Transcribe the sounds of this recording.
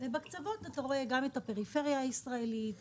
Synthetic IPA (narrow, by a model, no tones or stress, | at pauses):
vebakt͡savo̞tataʁo̞eɡametape̞ʁife̞ʁjaːisʁaelit